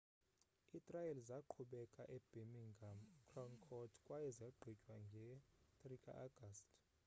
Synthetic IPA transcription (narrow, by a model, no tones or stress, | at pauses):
itʼrajɛlzaǃʰuɓɛkʼaʔɛb̥emiŋɡʱamkʰrɔŋkʰɔtʰkʼwajɛzaɡ͡ǃʱit͡ʃʼwaŋɡʱɛtʼrikʼa̰ʔaɡ̥ʱastʼ